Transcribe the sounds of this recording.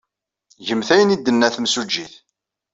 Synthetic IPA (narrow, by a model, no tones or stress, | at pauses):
ʝəmθæjənid̪ːənːæθmsud͡ʒːiθ